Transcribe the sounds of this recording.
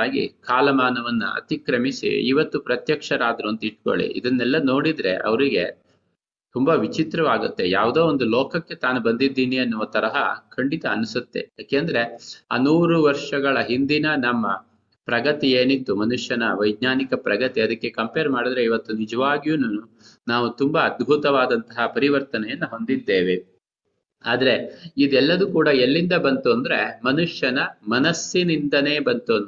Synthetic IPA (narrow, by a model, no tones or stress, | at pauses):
aːɡḭkʰaːlɐmaːnɐʋɐnːṵɐ̰t̪ikɾɐmisḭḭʋɐt̪ːupɾɐt̪jɐkʂɐɾaːd̪ɾuɐnt̪ɐiʈ̚ko̰ɭḭʔḭd̪ɐnːɛlːɐno̞ːɽid̪ɾe̞̰ʔɐ̰ʋɾiɡe̞ | t̪umbɐʋit͡ʃit̪ɾɐʋaːɡut̪ːe̞jaːʋud̪eːond̪ulɔːkɐkːe̞t̪aːnubɐnd̪id̪ːiːniɐnːuʋɐt̪ɐɾɐɦɐ̰kʰɐɳɖit̪ɐːnusut̪ːe̞̰jaːkeːɐnd̪ɐɾe̞a̰ːnuːɾuʋɐɾʂɐɡɐɭɐɦind̪inɐnɐmːɐ̰ | pɾɐɡɐt̪ijeːnit̪ːumɐnuʂjɐnɐʋɐjɡ̪ɲaːnikɐpɾɐɡɐt̪iɐd̪ɐkːe̞kɐmpeːɾmaːɽid̪ɐɾe̞iʋɐt̪ːunid͡ʒɐʋaːɡjunu | naːʋut̪umbɐɐd̪̚bʱut̪ɐʋaːd̪ɐnt̪ɐɦɐpɐɾiʋɐɾt̪ɐnɛjɐnːuɦo̞nd̪id̪ːe̞ːʋe | aːd̪ɐɾe̞id̪uɛlːɐd̪ukuːɽɐelːind̪ɐbɐnt̪uɐnd̪ɐɾemɐnuʂjɐnɐmɐnɐsːinind̪ɐneːbɐnt̪uɐnu